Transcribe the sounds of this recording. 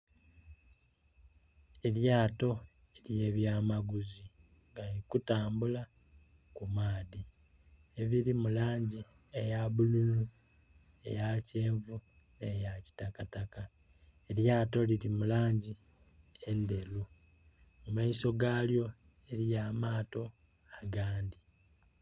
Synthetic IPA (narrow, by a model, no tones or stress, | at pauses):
e̞ljaːto̞ | elje̞ːβjaːmaɡuzi | ŋɡalikutaːmbula | kumaːði | eβiɾimulaːɲɟi | ejaβululu | e̞̰jace̞ːɱvu | ne̞jaci̥takataka | eɾjaːto̞liɾimulaːɲɟi | e̞nde̞lu | mumaiso̞ɡaːljo̞ | e̞ɾijamaːto̞ | aɡaːndi